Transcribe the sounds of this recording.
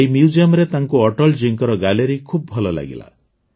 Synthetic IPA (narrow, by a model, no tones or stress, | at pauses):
eimjud͡ʒiɔmɾet̪aŋkuɔʈɔld͡ʒiŋkɔɾɔɡaleɾikʰub̚bʱɔlɔla̰ɡḭla̰